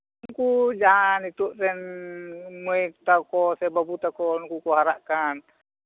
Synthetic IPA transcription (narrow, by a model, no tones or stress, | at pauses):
ŋkud͡ʒaɦanit̪uʔsɛn | muɛkt̪akɔsɛbabut̪akɔnkukɔɦaɾaʔkan